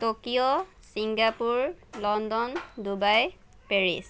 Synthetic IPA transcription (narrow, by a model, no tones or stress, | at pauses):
tokijɔ | siŋɡapuɹlɔndɔndubaj | peɹḭs